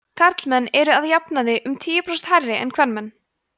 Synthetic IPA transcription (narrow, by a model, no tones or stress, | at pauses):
kʰaɾt̪lmɛnːɛɾʏaðjapnaðɪʔʏmt̪ʰiːjɪpɾast̪hajrːɪɛ̰nkʰvɛɾnmɛnː